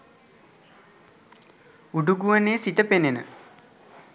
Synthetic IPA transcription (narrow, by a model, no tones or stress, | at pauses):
uɖuɡuʋəneːsiʈəpenenə̰